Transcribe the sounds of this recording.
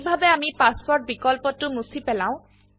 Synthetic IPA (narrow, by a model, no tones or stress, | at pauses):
bʱabɛamipaspɔɹt̚bikɔlpɔtʊnusipɛlãʊ̃